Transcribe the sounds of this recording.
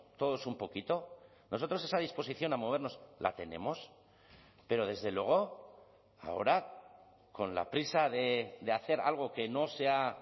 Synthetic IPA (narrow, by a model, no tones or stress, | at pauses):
t̪o̞ð̞o̞sumpo̞kit̪o̞ | nʔo̞sot̪ɾo̞se̞saðispo̞siθjo̞namo̞β̞e̞ɾno̞slʔa̰t̪e̞nẽ̞̰mo̞s | pe̞ɾo̞ð̞e̞zðe̞lweɣ̞o̞ | a̰o̞̰ɾa | ko̞nla̰pɾisaðe̞ðeaθe̞ɾa̰lɣ̞o̞ke̞no̞se̞a